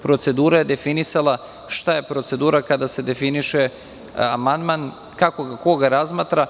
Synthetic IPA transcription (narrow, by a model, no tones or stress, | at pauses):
pɾo̞t̪se̞d̪uːɾaje̞d̪e̞finisalˠa | ʃt̪aje̞pɾo̞t̪se̞d̪uːɾakad̪ase̞d̪e̞finiʃe | amand̪man | kako̞ɡako̞ɡaɾazmaːt̪ɾa